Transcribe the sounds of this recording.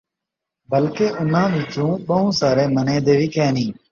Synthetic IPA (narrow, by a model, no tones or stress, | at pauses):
bəlkeːʔʊnãːʋɪːt͡ʃũːɓəɦũːsaːɾeːmənẽːd̪eːʋiːkʰɛːnĩː